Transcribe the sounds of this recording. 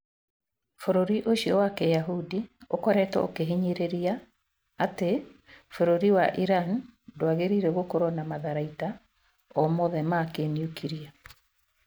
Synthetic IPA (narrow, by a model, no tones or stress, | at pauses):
foɾoɾiʔoʃiɔwakɛjaɦudiokɔɾɛtɔ̰okeɦiɲeɾeɾiaː | tefoɾoɾiwaʔiɾandoaɣeɾiɾɛɣokoɾɔnamaðaɾaita | ɔmɔðɛmakeniukʰiɾia